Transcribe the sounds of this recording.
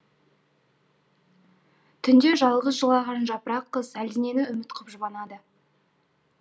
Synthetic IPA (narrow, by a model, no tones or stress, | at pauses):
t̪ʰʏnd̪e̞ʒɑlˠʁəsʒəlˠɑʁɑnʒɑpəɾɑqʰːəzæld̪ɪne̞nɪʏmɪt̪qʰəpʒʊbɑnɑd̪ə